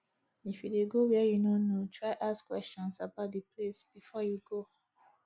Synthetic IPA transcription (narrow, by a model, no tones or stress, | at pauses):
ifjudeɡowɛjunõnotʰɹaɪʔaskwɛst͡ʃɔ̃nsabaʊt̚diplesb̥ifɔjuɡo